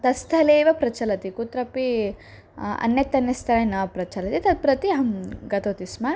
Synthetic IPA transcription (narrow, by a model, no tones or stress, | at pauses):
t̪ɐst̪ʰɐleːʋɐpɾɐt͡ʃɐlɐt̪ikut̪ɾɐpi | ɐ̰nːjɐt̪ːɐnːɐst̪ʰɐɾɐnɐːɐpɾɐt͡ʃɐlɐt̪it̪ɐd̪̚pɾɐt̪iɦɐmɡɐt̪oːt̪ismɐ